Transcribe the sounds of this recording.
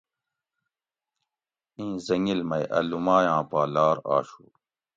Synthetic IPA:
ĩːzɐŋilmɐjʔɐ̰lumaːjãːpaːlaːɾa̰ːɕṵː

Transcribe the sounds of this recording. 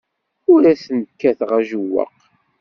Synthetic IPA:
ʊɾæθnəkːæθʁæʒəwːə̰q

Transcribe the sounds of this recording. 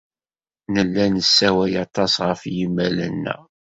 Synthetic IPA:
nəlːænəsːæwæjɑt̪ˤɑsʁəfjimːælənːæ̰

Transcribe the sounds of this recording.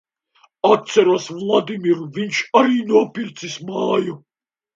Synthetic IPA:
at̪̚sɛɾusvlˠad̪imiɾuvinʃaɾiːnuɔpiɾt̪sismaːju

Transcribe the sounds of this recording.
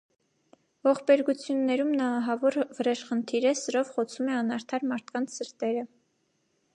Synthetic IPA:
vɔχbɛɾɡut͡sʰjunːɛɾumnɑːɦɑvɔɾvəɾɛʃχənt̪ʰiɾəsəɾɔvχɔt͡sʰumɛɑnɑɾt̪ʰɑɾmɑɾt̪ʰkɑnt͡sʰsəɾt̪ɛɾə

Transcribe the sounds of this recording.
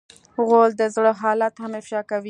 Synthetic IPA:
ɣold̪əzɽəɦɑlat̪hamɪfʃɑkawi

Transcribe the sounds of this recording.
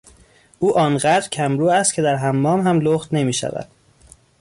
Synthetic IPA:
ʔuːʔɒːnɢæd̪ɾcʰæmɾuːæst̪cʰe̞d̪æɾɦæmːɒːmɦæmloːχt̪ne̞miːʃæ̰væ̰d̪̥

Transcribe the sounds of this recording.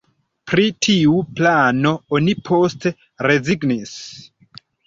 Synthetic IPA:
pɾitʰiuplano̞onipʰo̞stʰe̞ | ɾe̞ziɡnis

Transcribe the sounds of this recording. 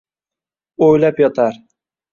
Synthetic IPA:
ojlapjɒt̪ʰaɾ

